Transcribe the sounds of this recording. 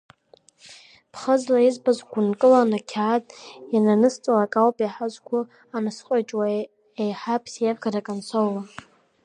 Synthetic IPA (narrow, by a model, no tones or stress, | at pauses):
pʰχəzlaizbazɡʷʊnkʼɨlanakʲʰaːtʼjananɨst͡sʷʼalakʼalwpʼaħazʷɡʷʊ | anɨsqʷʼat͡ʃʼwa | ejħapʰsjavɡaɾakʼansʷʰowla